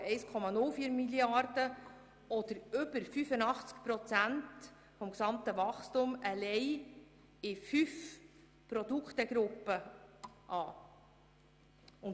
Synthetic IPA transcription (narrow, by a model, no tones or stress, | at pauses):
ɛɪskʰɔmɑnʊlfiːəɾmiljɑɾd̥ə | ɔd̪əɾʏbəɾfyfənɑχt͡skpɾɔt͡sænt | fɔmksɑmt̪əʋɑχstʊməlɛɪ | ɪfyf | pɾɔd̪ukχt̪əɡɾʊpːəʔɑː | ʊn